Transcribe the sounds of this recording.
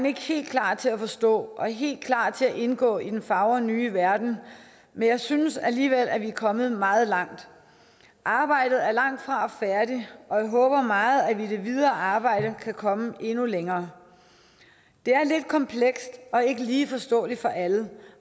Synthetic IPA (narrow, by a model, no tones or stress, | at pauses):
ene̝ɡ̥əhe̝̰ːld̥kʰlɑ̰̈ːt͡sʰe̝æfɒ̽sd̥ɔ̰̽ːʔɒ̽æɦe̝̰ːld̥̚kʰlɑ̰̈ːt͡sʰe̝æʔe̝nɡ̥ɔ̰̽ːid̥enfɑ̈ʊɐnyːʋæɐd̥n̩ | menjɑ̈ɪsynəsæliːʋel̰æʋiæɐkʰɒ̽mð̩ˠmɑ̈ːð̞̩ˠlɑ̈ŋ̰d̥ | ʔɑ̈ːb̥ɑ̈ɪ̰d̥ð̞̩ˠæɐlɑ̈ŋ̰d̥fʁɑ̈ɒ̽fæɐɾiɒ̽jɑ̈ɪɦɔːb̥ɐmɑ̈ːð̩ˠæʋid̥e̝ʋið̞ˠɐːʔɑ̈ːb̥ɑ̈ɪ̰ɾ̥əkʰækʰɒ̽məʔe̝nuleŋɐː | d̥e̝æɐle̝d̥̚kʰɒ̽mpʰleɡ̥sd̥ɒ̽e̝ɡ̥əliːfɒ̽sd̥ɔ̰̽ːlifɒ̽ʔælə